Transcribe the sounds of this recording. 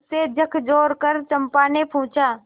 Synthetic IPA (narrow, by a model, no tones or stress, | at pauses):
sed͡ʒəkʰd͡ʒoːɾkəɾt͡ʃəmpaːnepʰũːt͡ʃaː